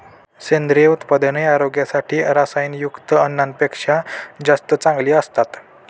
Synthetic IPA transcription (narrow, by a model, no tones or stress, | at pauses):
send̪ɾieut̪pad̪neaɾoɡjasaʈʰiːɾasajnjukt̪əənːanpekʂad͡zast̪ət͡sãŋɡliːəst̪at̪